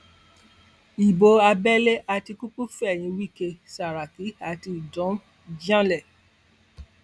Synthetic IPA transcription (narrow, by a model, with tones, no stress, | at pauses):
i˨bo˨˧a˧bɛ˦le˦ʔa˧ti˧ku˦k͡pu˦fɛ˦˨j̃ĩ˨˧wi˦˨ke˧sa˨ɾa˨ki˨˦a˨ti˧i˨dɔ̃˨˦ | d͡ʒã˦lɛ˦˨